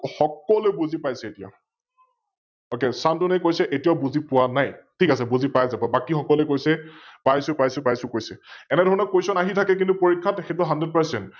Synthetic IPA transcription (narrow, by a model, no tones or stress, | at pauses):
xɔkɔlojbuzipajsɛetija̰ | okesantunɛjkojsɛʔetijaʊbuzipʊwanajtʰikas̬ɛbuzipajzabɔbakixɔkɔlɛkojsɛpajsʊpajsʊpajsʊ̃kojsɛɛnɛdʱɔɹɔnɔkojsɔnaɦitʰakɛk̬intupoɹikʰːatexɛt̬ɔɦanded̚pasɛnt